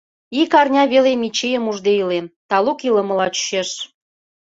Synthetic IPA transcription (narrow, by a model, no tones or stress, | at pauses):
ikɑrnʲɑβelemit͡ɕejəmuʒd̪eilent̪ɑlukilə̆mə̆lɑt͡ɕy̥ʃeʃ